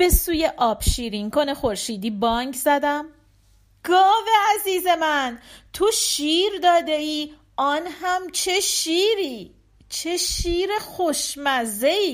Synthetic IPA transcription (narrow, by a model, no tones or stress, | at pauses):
b̥e̞suːjeʔɒːb̥ʃiːɾiŋkʰonexoɾʃiːd̪iːbɒːŋɡzæd̪æm | ɡ̥ɒːveæziːze̞mænt̪ʰoʃiːɾd̪ɒːd̪e̞iː | ɒːnhæmt͡ʃʰe̞ʃiːɾiː | t͡ʃʰeʃiːɾexoʃmæze̞iː